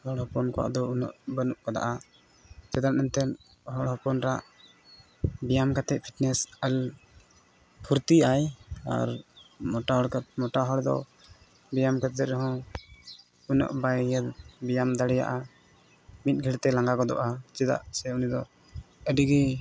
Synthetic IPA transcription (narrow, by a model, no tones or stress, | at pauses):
hɔɽhɔpɔnkɔwa̰ʔd̪ɔunɔ̰ʔbənuʔkɔd̪a̰ʔa | t͡ʃɛd̪aʔ̪nɛnt̪ɛn | ɦɔɽɦɔpɔnɾaʔ | bijamkat̪ɛʔ̚pʰiʈnɛsəl | pʰuɾt̪iaja̰ɾmɔʈaɦɔɽkmɔʈaɦɔɽd̪ɔ̰ | bijamkat̪ɛɾɛɦɔ̃ | unɔ̰ʔbajjəd̪bijamd̪aɽɛja̰ʔa | mit̪̚ɡʱɛɽt̪ɛlaŋɡaɡɔd̪ɔ̰ʔat͡ʃɛd̪a̰ʔsɛunid̪ɔ | əɖiɡɛ